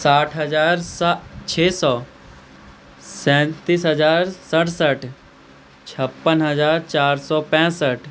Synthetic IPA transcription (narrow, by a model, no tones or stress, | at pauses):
saːʈʰɦəzaːɾt͡ʃʰeːsɔː | sɛ̃ːt̪isɦəzaːɾsəʈʰsəʈʰ | t͡ʃʰəpːənɦəzaːɾt͡ʃaːɾsɔːpɛ̃ːsəʈʰ